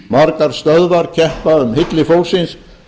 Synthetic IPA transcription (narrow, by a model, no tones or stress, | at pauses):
maɾkaɾ̥st̪œðvaɾcʰɛhpaʏmhɪt̪lɪfowlsɪns